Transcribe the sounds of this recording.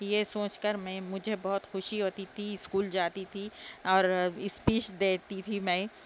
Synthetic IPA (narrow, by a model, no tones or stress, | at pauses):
jesoːt͡ʃkəɾmɛ̃ːmʊd͡ʒʱebɔɦʊt̪xʊʃiɦoːt̪it̪ʰiɪskuːld͡ʒaːt̪it̪ʰiɔːɾɪspiːʃd̪eːt̪it̪ʰimɛ̃ː